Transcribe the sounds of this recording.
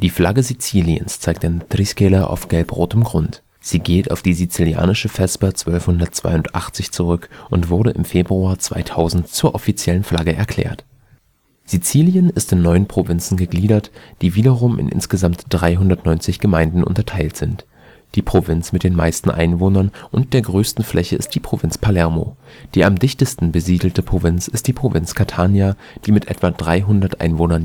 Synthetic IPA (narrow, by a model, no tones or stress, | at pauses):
d̥iːflaɡəzit͡siːliə̰nst͡saɪk̚td̥end̥riskɛlɐʔa̰ʊfɡ̥ɛlpʁoːtəmɡʁʊnt | z̥iːɡeːta̰ʊfd̥iːzit͡silia̰ːnɪʃəfɛsbɐt͡sv̥œlfhʊndɐt̚t͡sv̥a̰ɪʊntʔa̰χt͡sɪçt͡suʁʏkʔʊntv̥ʊɐɾəʔɪmfeːbʁuaːɐt͡sv̥a̰ɪtʰaʊzn̩tt͡suːɐʔɔfit͡sjɛlənflaɡəʔɛɐkʰl̥ɛ̰ːɐt | z̥it͡siːljənɪstɪnːɔʏənpʁ̥ovɪnt͡sn̩ɡəɡliːdɐtd̥iːviːdɐʁʊmʔɪ̰nʔɪ̰nsɡ̥əzamtd̥ʁaɪɦʊndɐtnɔʏnt͡sɪçɡ̥əmaɪndn̩ʔʊ̰ntɐtʰaɪltz̥ɪnt | d̥iːpʁ̥ovɪnt͡smɪt̚d̥eːnma̰ɪstn̩ʔa̰ɪnvoːnɐnʔʊnt̚d̥eːɐɡʁøːstn̩flʔɛçəɪ̰st̚d̥iːpʁ̥ovɪnt͡spʰalɛɐmo̰d̥iːamdɪçtəstn̩bəziːdl̩təpʁ̥ovɪnt͡sɪst̚d̥iːpʁ̥ovɪnt͡skʰatʰaːnja | d̥iːmɪtʔɛ̰tv̥adʁaɪɦʊndɐtʔa̰ɪnvoːnɐn